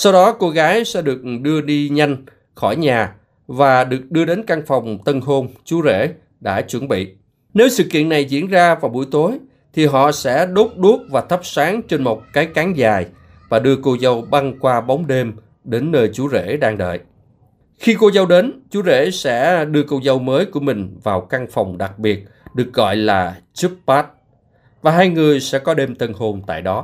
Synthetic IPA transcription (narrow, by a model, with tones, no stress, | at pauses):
sa˧wɗɔ˨˦ko˧ɣaː˨˦jsɛ̰˧˥ɗɨ˨˩ək̚ɗɨ˧əɗi˧ɲa˧jŋ̟ | xɔ˧˩jɲaː˨˩ | vaː˨˩ɗɨ˨˩ək̚ɗɨ˧əɗe˨˦nka˧ŋfa˨˩wŋ͡mt̪ə˧nɦo˧nt͡ɕu˨˦zḛ˧˥ | ɗa̰ː˧˥t͡ɕwə˧˩nɓḭ˧˨ | ne˨˦wsɨ̰˧˨kḭ˧˨əna˨˩jzḭ˧˥ənzaː˧vaː˨˩wɓu˧˩əjt̪o˨˦j | t̪ʰi˨˩ɦɔ̰˧˨sɛ̰˧˥ɗo˦˥p̚ɗu˦˥əp̚vaː˨˩t̪ʰə˦˥p̚saː˨˦ŋt͡ɕe˧nmo˨˩wk͡p̚kaː˨˦jkaː˨˦ŋzaː˨˩j | vaː˨˩ɗɨ˧əko˧wzə˧wɓa˧ŋkwaː˧ɓa˨˦wŋ͡mɗe˧m | ɗe˨˦nːəː˧jt͡ɕu˨˦zḛ˧˥ɗaː˧ŋɗə̰ː˧˨j | xi˧ko˧zə˧wɗe˨˦nt͡ɕu˨˦zḛ˧˥sɛ̰˧˥ɗɨ˧əkə˧wzə˧wməː˨˦jku˧˩əmï˨˩ŋ̟vaː˨˩wka˧ŋfa˨˩wŋ͡mɗa˨˩k̚ɓi˨˩ət̚ɗɨ˨˩ək̚ɣɔ̰˧˨jlaː˨˩t͡ɕɨ˦˥p̚pːaː˦˥t̚ | vaː˨˩ɦaː˧jŋɨ˨˩əjsɛ̰˧˥kɔ˨˦ɗe˧mt̪ʰə˧nho˧˩nt̪a̰ː˧˨jɗɔ˨˦